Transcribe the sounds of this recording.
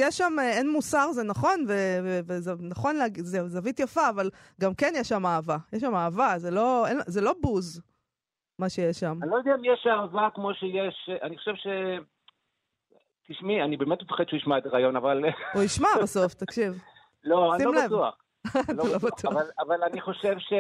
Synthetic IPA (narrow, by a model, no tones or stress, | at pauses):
jɛʃːamenmusaʁzenaχo̞nvevevezanaχo̞nleaɡizezavit̪jafaːval | ɡamkenjɛʃːamaːvajɛʃ̬ːamaːvazelo̞enzelo̞buz | maʃejeʃːamanilojd̪ɛamijeʃaːvakmo̞ʃejeʃaniχoʃevʃe | t̪iʃmianibeːmet̪mefḁχed̪ʃeuiʃmaet̪aʁaːjo̞navalujiʃmabaso̞ft̪akʃiv | loasilomlaevtuaχ | zloalobatuvalavalaniχo̞ʃevʃe